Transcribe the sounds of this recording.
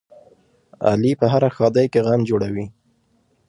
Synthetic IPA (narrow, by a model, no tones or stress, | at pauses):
a̰lipəɦaɾaxɑd̪ajkeɣamd͡ʒoɽawi